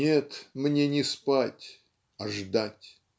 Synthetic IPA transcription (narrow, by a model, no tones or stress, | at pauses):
et̪mnʲenʲɪspatʲ | ɐʐd̪atʲ